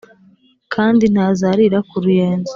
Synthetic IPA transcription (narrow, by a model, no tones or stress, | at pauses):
kʰaːndin̥haːzaɾiɾakuɾuje̞ːnzi